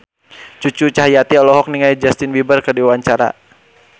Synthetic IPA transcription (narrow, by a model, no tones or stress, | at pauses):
t͡ʃut͡ʃut͡ʃaɦajat̪iɔlɔɦɔk̚niŋajd͡ʒast̪ɪnwibərkərdiwaɲt͡ʃaɾa̰